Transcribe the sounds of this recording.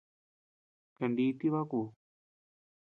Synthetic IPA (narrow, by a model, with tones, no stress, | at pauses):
kɐ˨ɳɖiː˦t̪i˦βa˦ku˨